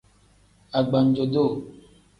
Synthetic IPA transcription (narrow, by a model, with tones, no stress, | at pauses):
a˨ɡ͡ba˨n̩˦d͡ʒo˨do˦˨